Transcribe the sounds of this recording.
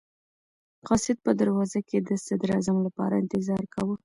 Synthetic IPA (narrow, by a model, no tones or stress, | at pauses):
qɑsɪd̪̚pəd̪aɾwɑzaked̪əsad̪ɾɑzamlapɑ̰ɾaɪnt̪ɪzɑɾkawə